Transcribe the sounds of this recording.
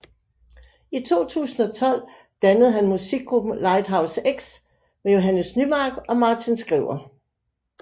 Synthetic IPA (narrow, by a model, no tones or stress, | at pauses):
it͡sʰo̝̰ːt͡sʰṵːsn̩ɒ̽t͡sʰɒ̽l̰ | d̥ænəð̞̩ˠɦænmusiɡ̥̚ɡʁub̥n̩lɑ̈ɪd̥ɦɑ̈ʊseɡ̥s | mejo̝ɦænəsnymɑ̈ːɡ̥ɒ̽mɑ̈ːt͡sʰinsɡ̥ʁḭʊ̰ɐ